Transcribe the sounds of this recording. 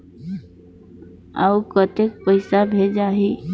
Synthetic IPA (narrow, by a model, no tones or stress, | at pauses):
aukət̪ek̚pəɪsabʱed͡ʒaɦi